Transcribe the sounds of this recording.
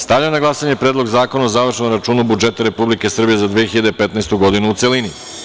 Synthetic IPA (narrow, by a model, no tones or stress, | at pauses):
st̪aʋʎanaɡlˠasaɲe̞pɾe̞ːd̪lo̞ɡzaːko̞naozaʋr̩ʃomɾat͡ʃuːnubud͡ʒe̞t̪aɾe̞publike̞sr̩bije̞zad̪ʋijexiʎad̪epe̞t̪naest̪uɡo̞d̪inuːt̪se̞lini